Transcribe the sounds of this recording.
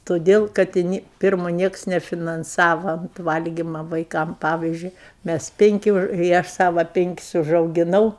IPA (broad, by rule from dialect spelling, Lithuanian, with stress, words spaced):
toːˈdʲeːlˠ kɐt ɪ ˈnʲɪ ˈpʲɪrmoː ˈnʲiɛks nʲɛfʲɪnɐnˈsɑːʋɐ ˈʋɐlʲɡʲiːmɐ ʋɐɪˈkɐm ˈpɑːʋʲiːzʲd͡ʒʲʊɪ ˈmʲæs ˈpʲɪŋʲkʲɪ ɪ ˈɐʃ ˈsɑːʋɐ ˈpʲɪŋʲkʲɪs ʊʒɐʊɡʲɪˈnɐʊ